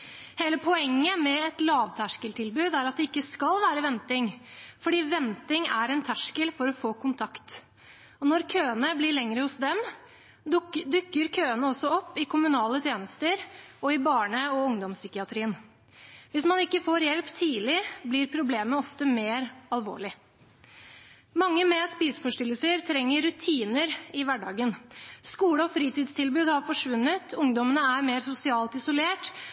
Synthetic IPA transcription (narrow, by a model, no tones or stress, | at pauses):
heːləpʰɔɛŋːəmɛɛt̪lɑːʋt̪ʰæʂkəlt̪ʰɪlbʉːd̪æɾɑt̪̚d̪ɛɪkːəskɑlʋæːɾəʋɛnt̪ɪŋfɔɖiːʋɛnt̪ɪŋæɾɛnt̪ʰæʂkəlfɔɾɔfoːkʰʊnt̪ʰɑkt̪ | ɔnɔɾkʰøːənəblɪɭɛŋɾəhʊsd̪ɛm | d̪ʉkːəɾkʰøːənəɔsːɔɔpːɪkʰʊmʉnɑːlət̪ʰjeːnəst̪əɾɔɪbɑːɳəɔʊŋd̪ɔmsʏkɪɑt̪ʰɾiːən | ʋɪsmɑnɪkːəfoːɾjɛlpt̪ʰiːlɪblɪɾpʰɾʊbleːməɔft̪əmeːɾɑlʋo̰ːɭɪ | mɑŋːəmeːspiːsfɔʂʈɪlːəsəɾt̪ʰɾɛŋːəɾːʉt̪ʰiːnəɾɪʋæɖɑːɡənskuːləɔfɾiːt̪iːd̪st̪ʰɪlbʉːd̪hɑɾfɔʂʋʉnːət̪ʰʊŋd̪ɔmənəæɾmeːɾsʊsɪɑːlt̪ɪsʊleːʈ